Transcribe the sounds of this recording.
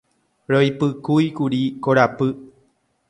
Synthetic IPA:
ɾojpɨkujkuɾikoɾapɨ

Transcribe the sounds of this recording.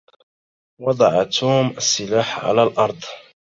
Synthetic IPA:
wɑd̪ˤɑʕat̪ʰuːmasːɪlaːħʕa̰lalʔɑɾˤd̪ˤ

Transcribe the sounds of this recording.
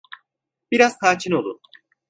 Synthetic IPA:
b̥iɾaz̥t̪ʰaːt͡ʃʰinolˠu

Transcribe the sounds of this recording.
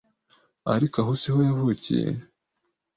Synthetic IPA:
aɾikaɦusihojavuːcḭjḛ

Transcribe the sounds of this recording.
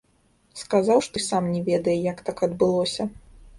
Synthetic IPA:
skazawʂt̪ɔjsamnʲɛvʲɛd̪ɐjɛjɐkt̪akɐd̪bɨlˠɔsʲɐ

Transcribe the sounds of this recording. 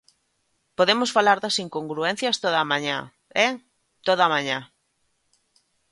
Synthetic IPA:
poðemosfalaɾðɐsiŋkoŋɡɾuɛn̟θjɐst̪oðamãɲã̰ | ɛ | t̪oðamãɲa

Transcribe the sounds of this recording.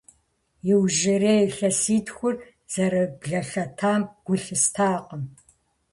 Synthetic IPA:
jɪwʒɪreːjɬɐsiːtʰxʷʊr | z̥ɐɾɐbɮɐɬɐtʰaːmɡ̥ʷʊɬɨstʰaːqəm

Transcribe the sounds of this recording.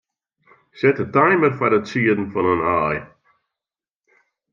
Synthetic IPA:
sɛtətʰajməɾfaɾətsiːədn̩fɔnənaːj

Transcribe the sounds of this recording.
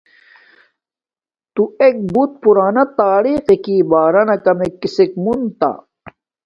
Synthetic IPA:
t̪uek̚but̪̚puɾaːnɐt̪aːɾiːqekiːbaːɾɐnɐkɐmekːisek̚munt̪a̰

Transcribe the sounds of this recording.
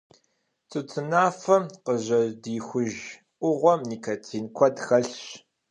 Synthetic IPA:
t͡sʼɨt͡sʰʼɨnaːfɐqəʑɐdiːxʷʊʒ | ʔʷʊʁʷɔmniːkʰɐt͡sʰiːnkʷʰɔdxɐɬɕ

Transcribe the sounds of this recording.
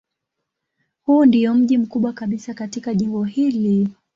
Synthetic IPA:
hundijɔm̩ʄim̩kuɓwakaɓisakatikaʄimbɔhili

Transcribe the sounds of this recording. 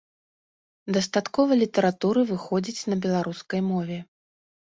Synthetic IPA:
d̪ɐst̪at̪kɔvɐlʲit̪ɐɾat̪uɾɨvɨxɔd͡zʲit͡sʲnɐbʲɛlˠaɾuskɐjmɔvʲɛ

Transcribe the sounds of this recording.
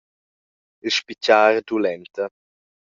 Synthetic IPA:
ilʃpicaːɾd̪ulɛnt̪ə

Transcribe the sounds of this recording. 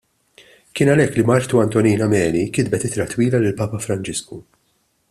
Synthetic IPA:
kɪːnɐlɛkːlimɐɾt̪uɐnt̪ɔniːnɐmɛːnikɪd̪̚bɛt̪ɪt̪ɾɐt̪wiːlɐlɪlpɐːpɐfɾɐnt͡ʃɪsku

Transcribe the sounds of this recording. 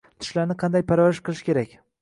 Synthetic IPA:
t̪ʰɪ̥ʃlaɾnɪqʰɑnd̪ajpʰaɾvaɾɪʃqʰɨlˠɪʃkʲe̞ɾakʲ

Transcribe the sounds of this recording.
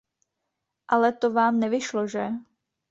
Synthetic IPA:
ʔalɛt̪ovaːmnɛvɪʃloʒɛ

